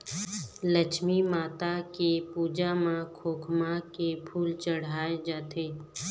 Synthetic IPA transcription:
ləʃmimaːt̪akepuːd͡ʒamãkʰoːkʰmakepʰuːlt͡ʃəɽ̤aːed͡ʒaːt̪eː

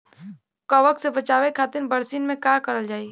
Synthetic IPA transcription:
kəʋəksebɐt͡ʃaːʋekʰaːt̪ɪɾbəɾsiːnmẽkaɾkəɾəld͡ʒaːi

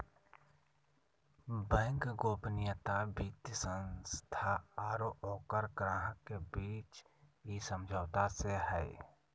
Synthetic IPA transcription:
bɛ̃ːŋkɡoːpnɪjət̪abit̪jəsə̃nst̪ʰaaːɾoʔɔːkəɾɡɾaːɦəkːebiːt͡ʃisəmd͡ʒʱəːt̪aseɦɛ

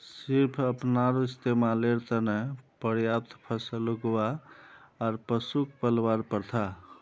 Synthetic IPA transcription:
siɾpʰəpnaɾoist̪ʰemaleɾt̪ənepəɾjap̚t̪ʰpʰəsəluɡwaː | ɾpəsukpəlwaɾpəɾt̪ʰa

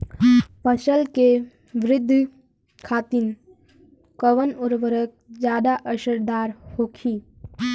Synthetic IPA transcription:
pəʃəlke | ʋɾɪd̪ʱː | kʰaːt̪in | kəʋənʊɾʋəɾək̚d͡ʒjaːd̪aʔəʃəɾd̪aːɾhoːkʰiː

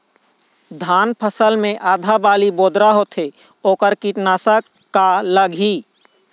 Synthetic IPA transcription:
d̪ʱaːnpʰəsəlmẽʔaːd̪ʱabaːliboːd̪ɾaɦot̪ʰe | oːkəɾkiʈnaːsə | kːaləɡʱiː

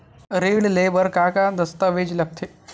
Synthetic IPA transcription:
ɾiɽlebəɾkakad̪əst̪aʋed͡ʑlək̚t̪ʰe

